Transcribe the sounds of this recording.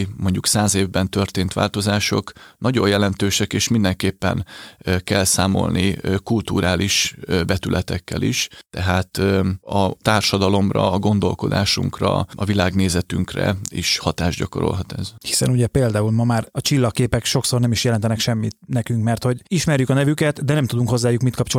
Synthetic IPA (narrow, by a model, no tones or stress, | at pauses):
mo̞ɲɟuksaːzeːvbɛnt̪ørt̪eːnt̪ʋa̰ːlt̪o̞zaːʃo̞knɒɟo̞jɛlɛnt̪øːʃɛkeːʃmind̪ɛŋkeːpːɛ̰nkɛlsaːmo̞̰lnikult̪uːɾaːliʃbɛt̪ylʔɛt̪ɛkːɛliʃt̪ɛɦaːt̪ɒt̪aːrʃɒd̪ɒlo̞mrɒ̰ɡo̞nd̪o̞̰lko̞d̪a̰ːʃṵŋkrɒɒvilaːɡneːzɛt̪yŋkrɛ̰iʃhɒt̪aːʒɟɒko̞ɾo̞̰lɦɒt̪ɛzhi̥sɛnuɟɛpeːld̪aːulmɒmaːrɒt͡ʃilːɒkːeːpɛkʃo̞kso̞rnɛmiʃjɛlɛnt̪ɛnɛkʃɛmːit̪nɛkyŋkmɛrt̪ho̞ɟiʃmɛrjykɒnɛvykɛt̪d̪ɛnɛmt̪ud̪uŋkho̞zːaːjukmit̪kɒpt͡ʃo